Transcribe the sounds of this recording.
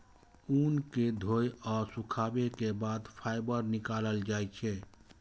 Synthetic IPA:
uːnked̪ʱoːjɔːɾsʊkʰaːbekebaːd̪pʰaːɪbəɾnɪkaːləld͡ʒaːjt͡ʃʰɛ

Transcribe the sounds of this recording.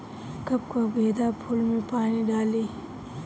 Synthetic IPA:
kɐb̚kobeːd̪apʰʊlmẽpaːniɖaːliː

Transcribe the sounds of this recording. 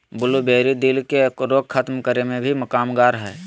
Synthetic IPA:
bʊlubeːɾid̪ɪlkekɾoːkkʰət̪mkəɾemẽbʱimɐkaːmɡaːɾɦɛː

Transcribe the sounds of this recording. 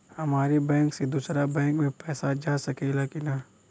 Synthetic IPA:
hɐmaːɾebɛ̃ːŋksed̪uːsɾabɛ̃ːŋkmẽpɛːsad͡ʒaːsɐkelakina

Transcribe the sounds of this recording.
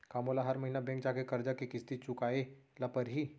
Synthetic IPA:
kaːmoːlaɦɐɾmɐɦinabɛ̃ŋk̚d͡ʒaːkekɐɾd͡ʒakekɪst̪it͡ʃʊkaːelɐpəɾɦi

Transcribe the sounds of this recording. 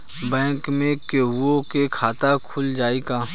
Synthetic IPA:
bɛ̃ːkmẽkeɦʊokekʰaːt̪akʰʊld͡ʒaːikaː

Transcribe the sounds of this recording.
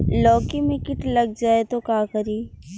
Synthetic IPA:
lɔːkimɪkɪʈlɐɡ̚d͡ʒaːet̪okaːkɐɾiː

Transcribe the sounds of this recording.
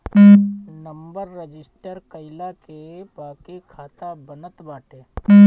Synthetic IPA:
nəmbəɾːəd͡ʒɪsʈəɾkəɪlake | baːkekʰaːt̪abənət̪baːʈẽː

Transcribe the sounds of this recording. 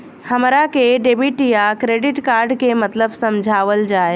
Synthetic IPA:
həmɾakeɖeːbiʈijakɾeːɖɪʈkaːɾɖkemət̪ləbsəmd͡ʒʱaːʋəld͡ʒaːe

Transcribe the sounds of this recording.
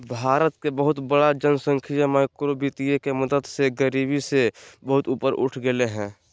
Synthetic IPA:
bʱaːɾət̪kebəɦʊt̪bəɽad͡ʒənsə̃ŋkʰijəməkɾobit̪ijekeməd̪əd̪seɡəɾiːbisebəɦʊt̪uːpəɾʔʊ̰ʈʰɡeleɦɛ̃ː

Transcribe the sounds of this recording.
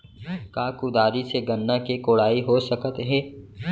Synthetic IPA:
kaːkʊd̪aːɾiseɡɐnːãkikoːɽaːiɦoːsəkət̪ɦɛ̃ː

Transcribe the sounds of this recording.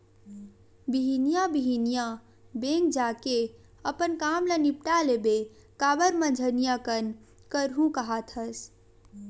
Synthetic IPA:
biɦinijabiɦinija | bẽŋk̚d͡ʒake | əpənkaːmlənipʈalebe | kaːbəɾmə̃d͡ʒʱənijakən | kəɾɦũkəɦat̪ʰəs

